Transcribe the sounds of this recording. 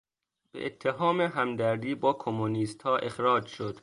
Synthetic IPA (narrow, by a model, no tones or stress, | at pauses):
b̥ḛʔet̪ʰːeɦɒːmeɦæmd̪æɾd̪iːbɒːkʰomːuniːst̪hɒːʔe̞xɾɒːd͡ʒʃod̪̥